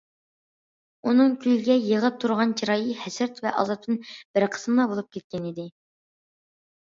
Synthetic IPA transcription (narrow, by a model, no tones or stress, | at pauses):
unɨŋkʲʰyjɡʲɛjəʁəp̚t̪ʰuɾʁɑnt͡ʃʰiɾɑːjihɛsɪɾt̪vɛʔɑ̰zˠɑp̚t̪ɨnb̥ɪɾqʰə̥smlˠɑbolˠup̚kʲʰɛt̪̚kʲɛnid̪ɪ